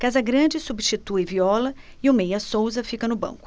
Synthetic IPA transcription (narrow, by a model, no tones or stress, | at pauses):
kazɐɡɾɐ̃d͡ʒɪsubʃt͡ʃit̪uɪviɔlɐ | iʊmejɐsowzɐfikɐnʊbɐ̰̃ŋkʊ̥